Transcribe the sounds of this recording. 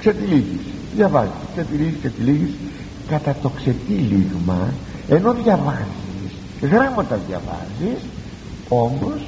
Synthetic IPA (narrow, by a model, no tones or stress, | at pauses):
kset̪iliʝis | ðʝɐvɐziskset̪iliʝiskset̪iliʝis | kɐt̪ɐt̪o̞kse̞t̪iliɣmɐe̞no̞ðʝɐvɐzis | ɣɾɐmɐt̪ɐðʝɐ̰vɐ̰zis | o̞mbo̞s